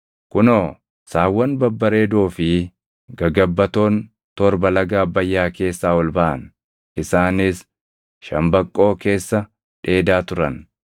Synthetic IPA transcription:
kʊnoː | saːwːɐnbɐbːɐɾe̞ːd̪oːfɪ | ɡɐɡɐbːɐt̪o̞ːn | t̪ɔɾbɐlɐɡaːbːɐjːaːke̞ːsːaːwɔlbɐʔɐ̰n | ʔɪsaːnɪs | ʃɐmbɐkʼːo̞ːke̞ːsːɐ | ᶑe̞ːd̪aːt̪ʊɾɐn

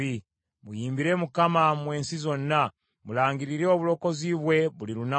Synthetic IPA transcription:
i | mujiːmbiɾe̞mukamamwe̞ːnsizo̞nːa | mulaːŋɡiɾiɾeoβulo̞ko̞ziβwe̞βuliɾuna

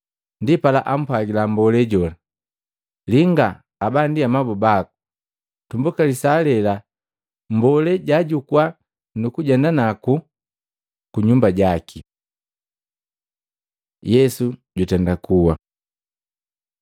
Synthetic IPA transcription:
ndipala̰ʔam̩pwaɡilambɔlɛɟɔla | liŋɡaː | bandiamabɔbaku̥ | tumbukalisalɛla | mbɔlɛɟaɟukwa | nukuɟɛndanaku | kuɲumbaɟakʰi | jɛsuɟutɛndakuwa

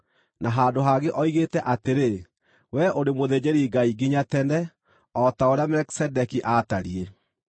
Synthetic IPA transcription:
naɦaːndoɦaɣeʔɔiɣetɛʔateɾe | wɛʔoɾemoðed͡ʑeɾiɡaiɡiɲatɛnɛ | ɔtaoɾeamɛki̥sɛdɛkiʔataɾie

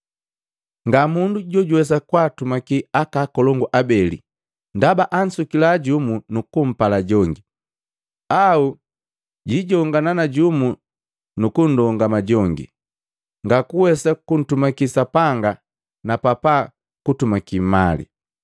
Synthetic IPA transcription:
ŋɡamunduɟɔɟuwɛs̬akwaːtumakiakakɔlɔŋɡuʔabɛlḭ | ndabaʔan̩sukilaɟumunukum̩palaɟɔŋɡi | au | ɟiɟɔŋɡananaɟumu | nukun̩dɔŋɡamaɟɔŋɡḭ | ŋɡakuwɛsakun̩tumakisapaŋɡa | napapa | kutumakimalḭ

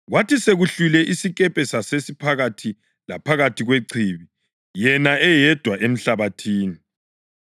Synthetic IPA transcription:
ɣwatʰiseɣuɬulɛʔisikʼɛpʼɛsasesipʰaɣatʰi | la̰pʰaɣatʰiɣweǀʰiβi | jɛnaʔɛjɛd̥ʱwaʔem̩ɬaβatʰiːni

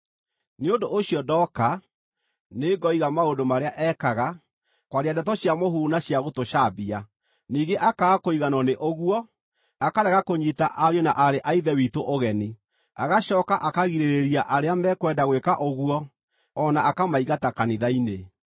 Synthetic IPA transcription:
neondoʔoɕiɔdɔka | neɡɔiɣamaondomaɾeaʔɛkaɣa | kwaɾiadɛtɔɕjamoɦunaɕjaɣotoʃabia | niːɡeʔakakoiɣanɔneʔoɣuwɔ | akaɾɛɣakoɲitaʔaɾjɔnaʔaɾeʔaiðɛwitoʔoɣɛni | aɣaɕɔːkaʔakaɣiɾeɾeɾiaʔaɾeamɛkwɛdaɣwekaʔoɣuɔ | ɔnaakamaiɣatakaniðaine

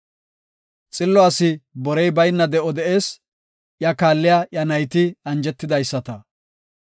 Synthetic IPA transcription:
t͡sʼɪlːɔaːsɪbɔɾɛjbɐjnːɐd̪ɛʔɔd̪ɛʔe̞ːs | ʔjɐkaːlːɪjajɐnɐjt̪ɪɐnd͡ʒɛt̪ːɪd̪ɐjsːɐt̪ɐ

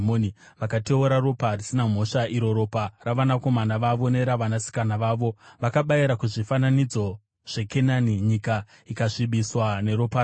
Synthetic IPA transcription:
moni | ʋakate̞uɾaro̞parisinam̤o̞ʂaʔiɾo̞ɾo̞paraʋanako̞manaʋaʋo̞ne̞ɾaʋanasi̥kanaʋaːʋo̞ʋakaɓaiɾakuʐifananid͡zo̞ | ʐ̥e̞ke̞naniɲika | ikaʂiɓiswane̞ɾo̞paː

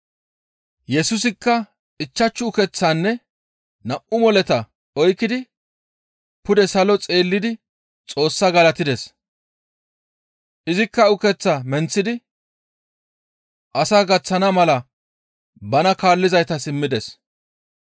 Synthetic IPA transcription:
jɛsʊs̬ɪkːɐ | ɪt͡ʃːɐt͡ʃːʊʊkɛt͡sːaːnːɛ | nɐʔʔʊmɔlɛt̪ɐ | ɔjkːɪd̪ɪ | pʊd̪ɛsɐlɔt͡sʼe̞ːlːɪd̪ɪ | t͡sʼo̞ːsːɐɡɐlɐt̪ɪd̪ɛs | ʔɪzɪkːɐʊkɛt͡sːɐmɛnt͡sːɪd̪ɪ | ʔɐsaːɡɐt͡sːɐnɐmɐlɐ | bɐnɐkaːlːɪzɐjt̪ɐsɪmːɪd̪ɛs

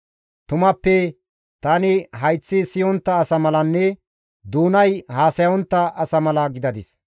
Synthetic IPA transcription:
t̪ʊmɐpːɛ | t̪ɐnɪɦɐjt͡sːɪsɪjɔnt̪ːɐːsɐmɐlɐnːɛ | d̪uːnɐjhaːsɐjɔnt̪ːɐɐsɐmɐlɐɡɪd̪ɐd̪ɪs

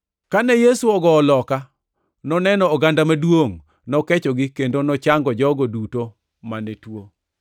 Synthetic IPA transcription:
kanɛjesuɔɡɔːlɔka | nɔnɛnɔːɡandamadwoŋ | nɔkɛt͡ʃɔɡɪkendonɔt͡ʃaŋɡɔd͡ʒɔɡɔduto | manetwo

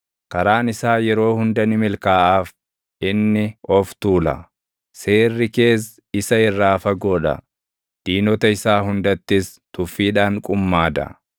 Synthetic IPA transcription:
kɐɾaːnɪsaːjɛɾo̞ːhʊnd̪ɐnɪmɪlkaːʔaːf | ʔɪnːɪɔft̪uːlɐ̰ | se̞ːrːɪke̞ːs | ɪsɐɪrːaːfɐɡoːᶑɐ̰ | d̪̥iːnɔt̪ɐɪsaːɦʊnd̪ɐt̪ːɪs | t̪ʊfːiːᶑaːŋkʼʊmːaːd̪ɐ̰

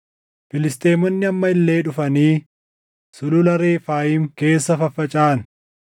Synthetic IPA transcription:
fɪlɪst̪ʼeːmɔnːɪɐmːɐɪlːe̞ːᶑʊfɐniː | sʊlʊlɐɾeːfaːjiːmke̞ːsːɐfɐfːɐt͡ʃʼaːn

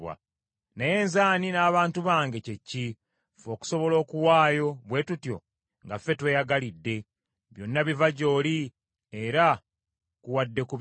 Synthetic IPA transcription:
wa̰ | naje̞ːnzaːninaːβaːntuβaːŋɡe̞ce̞cːi | foːku̥so̞βo̞lo̞ːkuwaːjo̞βwe̞ːtutjo̞̰ | ŋɡafːe̞twe̞ːjaɡalidːe̞ | βjo̞nːaβivaɟo̞ːli | e̞ɾa | kuwadːe̞ku

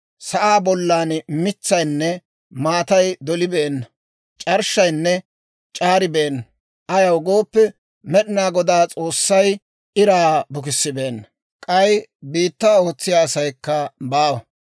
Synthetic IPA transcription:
sɐʔaːbɔlːaːnmɪt͡sːɐjnːɛ | maːt̪ɐjd̪ɔlɪbeːnːɐ | t͡ʃʼɐɾʃːɐjnːɛ | t͡ʃʼaːɾɪbe̞ːnːɐ | ʔɐjɐwɡoːpːɛ | mɛɗɪnaːɡɔd̪aːt͡sʼo̞ːsːɐj | ʔɪɾaːbʊk̬ɪsːɪbe̞ːnːɐ | kʼɐjbiːt̪ːaːo̞ːt͡sːɪjaːsɐjkːɐbaːwɐ

